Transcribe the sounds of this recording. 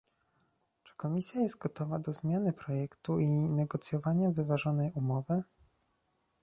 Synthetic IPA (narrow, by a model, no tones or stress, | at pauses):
t͡ʂɘ̥kɔmʲisʲjajɛst̪̚ɡɔt̪ɔvad̪ɔzmʲjanɘpɾɔjɛkt̪uinɛɡɔt̪sʲjɔvaɲavɘvaʐɔnɛjumɔvɘ